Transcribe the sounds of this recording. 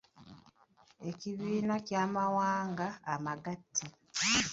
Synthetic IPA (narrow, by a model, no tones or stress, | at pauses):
e̞ciβiːnacjaːmawaːŋɡaːmaɡatʰːi